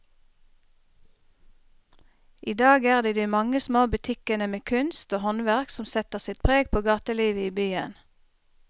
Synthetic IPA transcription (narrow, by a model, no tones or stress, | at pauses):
ʔiːd̪ɑːɡæːʁd̪iːd̪iːmɑŋəsmoːbʉt̪ʰɪkənəmeːkʰʉnst̪oːhɔnʋæʁksɔmsɛt̪əʁsɪt̪̚pʰʁeːɡ̚pʰoːɡɑːt̪əliːʋəiːbyːən